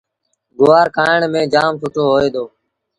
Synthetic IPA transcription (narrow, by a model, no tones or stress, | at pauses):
ɡoːaːɾkʰaːɪɳmẽːd͡ʒaːmt͡ʃʰʊʈʰoːɦoːeːd̪oː